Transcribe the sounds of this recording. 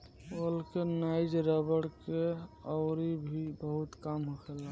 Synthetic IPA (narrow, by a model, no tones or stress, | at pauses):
olkenajd͡ʒɾəbəɽkeɔʊɾibʱibəɦut̪kamɦokʰela